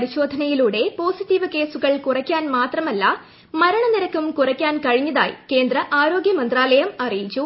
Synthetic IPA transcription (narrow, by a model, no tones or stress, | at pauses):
pɐɾiɕo̞ːd̪ʱɐnɐjiluːɽe̞po̞ːsitːiʋɨke̞ːsuɣɐɭkurɐkʲːaːnmaːt̪rɐmɐlːɐ | mɐɾɐɳɐniɾɐkːumkurɐkʲːaːnkɐɻiɲːɐða̰ːjḭke̞ːnd̪ɾɐʔaːɾo̞ːɡjɐmɐnd̪raːlɐjɐmɐrijit͡ɕːu